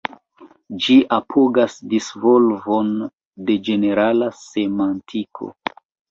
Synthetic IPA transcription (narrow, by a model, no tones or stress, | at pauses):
d͡ʒiʔapʰoɡasdisvo̞lvo̞n | de̞d͡ʒe̞ne̞ɾalase̞mantʰikʰo̰